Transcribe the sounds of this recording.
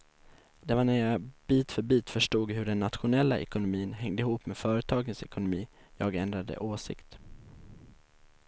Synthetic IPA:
d̪ɛvaɳæɾjɑb̥iːt̪fœɾbiːt̪fœʂʈuːɡɦɵɖɛnːat̪ɧʊnɛlːaʔɛ̰kʊnʊmiːnɦɛŋd̪əɪɦuːpmeːd̪fœːɾət̪ʰɑːɡənsɛkʊnʊmiː | jɑːɡɛnd̪ɾad̪ə̰ʔoːsɪ̰kt̪

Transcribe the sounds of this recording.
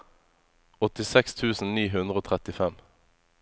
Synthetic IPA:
ɔt̪ɪsɛkst̪ʰʉːsn̩niːɦʉnd̪ʁəoːt̪ʰʁɛt̪ɪfɛm

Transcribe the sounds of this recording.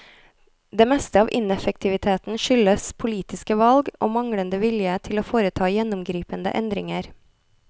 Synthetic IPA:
d̪eːmɛst̪əɑːʋʔɪnɛfək̚t̪ʰɪʋɪt̪ʰeːt̪n̩ʃʏləspʰʊliːt̪ɪskəʋɑlɡo̰ːmɑŋɽənd̪əʋɪljət̪ʰɪloːfoːɾət̪ʰɑːjɛnʊmɡɾiːpənd̪ə̰ʔɛnd̪ɾɪŋəɾ

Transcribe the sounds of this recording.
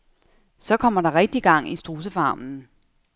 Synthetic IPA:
sɒ̽kʰɒ̽m̰ɐɾɑ̈ʁɛɡ̥̚d̥iɡ̥ɑ̈ŋ̰isd̥ʁuːs̬əfɑ̈ːmn̩

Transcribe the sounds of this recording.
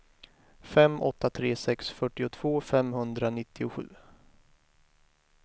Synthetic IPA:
fɛmʔɔ̰t̪ːat̪ʰɾeːsɛksfœʈːɪʊt̪ʰv̥oːfɛmhɵnd̪ɾanɪt̪ːɪʊɧʉ̟̰ː

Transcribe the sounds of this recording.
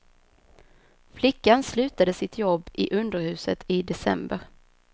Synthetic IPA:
flɪkːanslʉ̟ːt̪ad̪əsɪt̪ʰjɔbːɪʔɵnd̪əɾhʉ̟ːsət̪ʰɪd̪ɛsɛ̰mbəɾ

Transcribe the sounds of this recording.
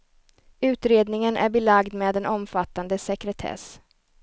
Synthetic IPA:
ʉ̟ːt̪ɾeːd̪nɪŋənʔæ̰ɾbɛlaɡd̪meːd̪ɛnʔɔmfat̪ːand̪əsɛkɾɛt̪ʰɛ̰s

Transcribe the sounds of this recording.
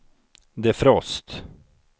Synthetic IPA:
d̪ɛæɾfɾɔst̪

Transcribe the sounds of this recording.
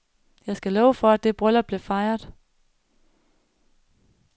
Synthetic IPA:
jɑ̈ɪsɡ̥ælɒːʊəfɒ̽æd̥ːe̝b̥ʁœlɐb̥li̝ɐfɑ̈ɪɐðˠ

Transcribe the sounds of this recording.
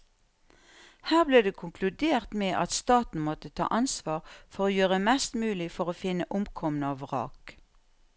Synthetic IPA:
hæːʁbleːd̪eːkʰʊŋkʰlʉd̪eːʁt̪meːʔɑt̪st̪ɑːt̪n̩mɔt̪ət̪ʰɑ̰ːʔɑnsʋɑːʁfɔʁoːjøːʁəmɛst̪mʉːlɪfɔʁoːfɪnəʔʊmkʰɔmnəɑːʋʁɑ̰ːk

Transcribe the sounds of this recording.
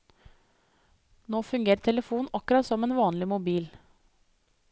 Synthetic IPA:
noːfʉŋɡeːɾəʈʰɛləfuːnʔɑkʉɾɑt̪sɔmeːnʋɑːnlɪmʊbiːl

